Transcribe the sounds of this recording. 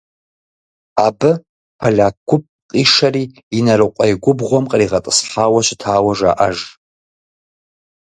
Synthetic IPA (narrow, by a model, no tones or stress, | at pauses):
aːbɨ | pʰɐɮaːkʷːʊp̚qʼiːʂɐriː | nɐɾɨqʷʼɐjɡʷʊbʁʷɔmqʼəriːʁɐtʼəsħħaːwɐɕɪtʰaːwɐʒa̰ːʔɐ̰ʒ